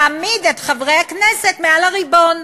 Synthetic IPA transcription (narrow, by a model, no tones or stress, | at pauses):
amidetχavʁehaknesetmealaʁibo̞n